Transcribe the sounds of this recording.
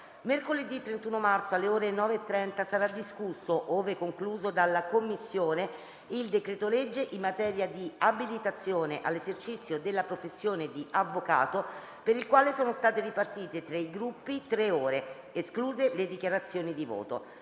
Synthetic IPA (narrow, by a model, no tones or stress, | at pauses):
merkoled̪it̪ːɾent̪uːnomart̪soalːeoːɾenɔːveːt̪ːɾɛnt̪asaɾad̪iskusːoʔoːvekːoŋkluːzod̪alːakomːisːjoːne | ild̪ekɾeːt̪oled͡ʒːeʔimːat̪ɛːɾjad̪iabilit̪at̪sːjoːneʔalːezert͡ʃit̪sjod̪elːapɾofesːjoːned̪iʔavːoka̰ːt̪o | peɾilkwaːlesoːnost̪aːt̪eripart̪iːt̪et̪ɾaiɡɾupːit̪ɾeoːɾe | eskluːzeled̪ikjaɾat̪sːjoːnid̪ivo̰ːt̪o̰